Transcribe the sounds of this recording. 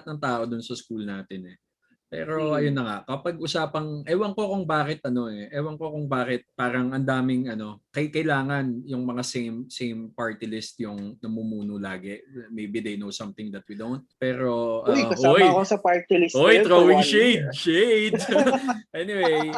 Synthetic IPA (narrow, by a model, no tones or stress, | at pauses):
t̪̚nɐŋt̪aːʔo̞d̪ʊnsɐskuːlnaːt̪ɪnɛ | pɛ̰ːɾo̞ʔɐjonːɐŋakɐpɐɡ̚ʔʊsaːpɐŋʔɛwɐŋkokʊŋbaːkɪt̪̚ʔɐno̞ɛʔɛwɐŋkokʊŋbaːkɪt̪̚paːɾɐŋɐnd̪aːmɪŋɐno̞kɐjkɐjlaːŋɐnjʊŋmɐŋasejmsejmpaɹt̪ɪlɪst̪jʊŋnɐmumuːnʊlaːɡɛmejbid̪ejnowsɐmt̪ɪŋd̪ɐt̪̚wid̪ownt̪̚pɛːɾo̞ʔɐjkɐsʔaojɐkosɐpaɹt̪ilɪsʔojt̪ɾoːwɪŋʃejd̪̚ʃejd̪̚ʔɛnɪwej